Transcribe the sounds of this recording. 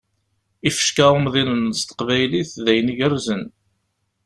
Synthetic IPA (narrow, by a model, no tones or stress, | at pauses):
ifə̥ʃkaʊmðinənst̪ə̥qvæjliθðæjniʝərzən